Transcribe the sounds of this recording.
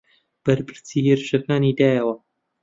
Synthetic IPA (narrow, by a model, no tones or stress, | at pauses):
b̥ɐɾpʰɨɾsiːheɾɨʃɐkaːnid̪aːjɐwɐ